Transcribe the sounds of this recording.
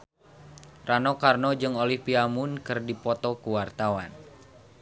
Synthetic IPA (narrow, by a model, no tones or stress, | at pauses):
ranɔkarnɔd͡ʒɨŋolihpiamunkɨrdipɔt̪ɔkuwart̪awan